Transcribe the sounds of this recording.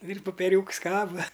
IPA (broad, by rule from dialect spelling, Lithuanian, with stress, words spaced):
ɪr poːpʲɛˈrʲuːks ˈkɑːbɐ